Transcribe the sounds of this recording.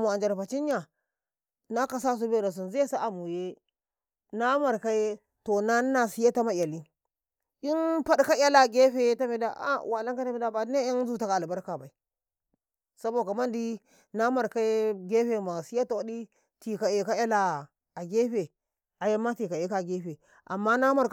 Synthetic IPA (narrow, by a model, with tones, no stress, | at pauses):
mu˨a˨nd͡ʒa˨ɾfa˨t͡ʃi˦nja˨ | na˦ka˨sa˦s̬u˦be˦ɾa˨s̬u˨nzi˦je˦sa˦ʔa˨mu˨je˦ | na˦ma˨ɾka˦je˦ | to˨na˦na˨si˦ja˦ta˦ma˦˨a˨li˦ | i˦npa˦ɗka˦ja˦la˨ɡʲe˦ɸe˦ta˦me˨da˦ʔa̰˦˨wa˨la˦ŋka˦ta˦mi˦da˦ba˨˦ne˦a˦nzu˦ta˨ka˨a˨lba˦ɾka˨ba˨i˨ | sa˦bo˦˨ka˨ma˦ndi˦ | na˦ma˨ɾka˦e˦ɡe˦ɸe˨ma˨si˦ja˦ta˨wa˨˦di˦ | ti˨ka˨je˨ka˦ja˦la˨ | a˨ɡe˦ɸe˨ | a˨ja˦mːa˦ti˨ka˨e˦ka˦˨ɡe˦ɸe˨ | ʔa̰˨mːa˦na˦ma˦ɾ